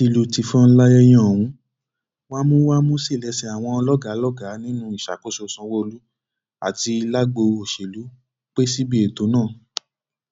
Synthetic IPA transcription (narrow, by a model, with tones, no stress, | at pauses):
ti˧lu˨ti˨fɔ̃˦n̩˦la˦jɛ˧j̃ɔ̃˦˨wũ˨˦ | wa˦mũ˦wa˦mũ˦si˦˨lɛ˨˧˦sɛ˧a˨w̃ɔ̃˧lɔ˦ɡa˨˦lɔ˦ɡa˨˦nĩ˦nũ˦i˨ʃa̰˨ko˦so˧˨sã˧wo˦˧lu˦ | a̰˨ti˧i˧la˦ɡ͡bo˧o˨ʃe˨lu˨˦ | k͡pe˦si˦bi˦e˨to˨˦nãː˦˨